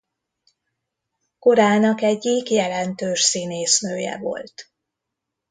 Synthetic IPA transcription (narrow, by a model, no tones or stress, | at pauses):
ko̞ɾaːnɒkɛɟːikjɛlɛnt̪øːʃsiːneːsnøːjɛ̰vo̞̰lt̪